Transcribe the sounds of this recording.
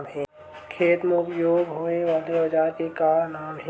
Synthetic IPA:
bɦɛ̃ː | kʰeːt̪meʊpjoːɡɦoːneʋaːleɐd͡ʒaːɾkekaːɾnaːmɦɛ

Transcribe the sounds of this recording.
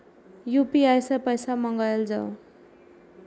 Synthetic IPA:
jupiajsʌpʌjsamʌŋɡʌjeld͡za̰w

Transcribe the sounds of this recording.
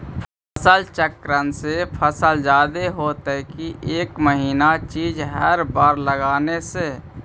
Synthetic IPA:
pʰ | əsəlt͡ʃəkɾənsepʰəsəld͡ʒaːd̪eɦoːt̪əkiʔeːkməɦiːnat͡ʃiːd͡ʒɦəɾbaːɾləɡaːnese

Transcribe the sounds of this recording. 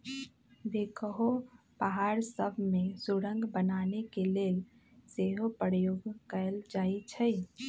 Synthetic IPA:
ʋekəɦo | paɦaɾsəbʱmẽsuɽə̃ŋɡbənaːnekeleːl | seɦopəɾjoːɡkəəld͡ʒaːit͡ʃʰəj

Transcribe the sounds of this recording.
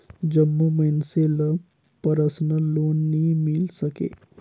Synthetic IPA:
d͡ʒəmːuməinselə | pəɾəsnəloːnːimilsəkḛː

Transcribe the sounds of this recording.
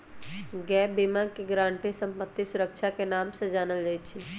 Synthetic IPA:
ɡɛːbimãkiɡɾãːɳʈisə̃mpət̪ːisʊɾəkʃʰakenaːmsed͡ʒaːnəld͡ʒait͡ʃʰi

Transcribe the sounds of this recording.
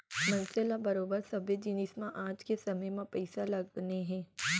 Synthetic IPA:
mɐ̃nsɪlabɐɾoːbəɾsɐbjed͡ʒinɪsmãʔaːd͡ʒkesɐməjmãpɛːsalɐɡneɦɛ̃ː

